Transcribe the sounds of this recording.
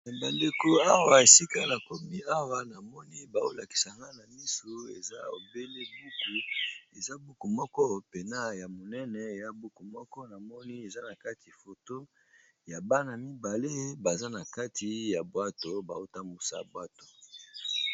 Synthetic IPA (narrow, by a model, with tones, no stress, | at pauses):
ba˨nde˨ko˦a˦wa˦˨e˨si˦ka˦la˨ko˦mi˦a˦wa˦na˨mɔ˦ni˦ba˨o˦la˨ki̥˨sa˨ŋɡa˦na˨mi˦so˨ḛ˨za˦o˨be˦le˦bu˦ku˨e˨za˦bu˦ku˨mɔ˦kɔ˦pe˨na˦ja˨mo˨nɛ˦nɛ˨e˨ja˦bu˦ku˨mɔ˦kɔ˦na˨mɔ˦ni˦e˨za˦na˨ka˦ti˨fo˨to˦ | ja˨ba˦na˨mi˦ba˨le˦ba˨za˦na˨ka˦tʰi˨ja˨bwa˦to˨ba˨o˦ta˦mbu˨sa̰˨bwa˦to˨